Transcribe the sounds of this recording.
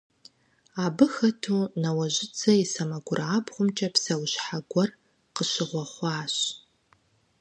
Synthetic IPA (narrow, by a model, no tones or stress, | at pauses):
aːbɨxɐtʰuːnɐwɐʑɪt͡sʰɐisɐmɐɡʷʊraːbχʷʊmt͡ʃʼɐpsɐwɕħaɡʷɔr | qəɕɪʁʷɔχʷɑːɕ